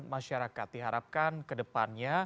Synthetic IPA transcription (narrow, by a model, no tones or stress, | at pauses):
nmaʃaɾakat̪̚diɦaɾap̚kankədəpanɲa